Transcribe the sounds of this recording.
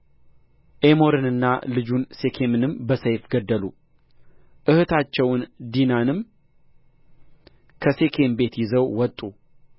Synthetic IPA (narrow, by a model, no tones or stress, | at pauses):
ʔe̞mo̞ɾɨnɨnːa̰lɨd͡ʒunse̞kʰe̞mɨnɨmbəsəjfɡəd̪ːəlu | ʔɨhɨt̪ʰat͡ʃːɛwnd̪inanɨm | kʰəse̞kʰe̞mbe̞t̪jɪzəwwɔt̪ʼːu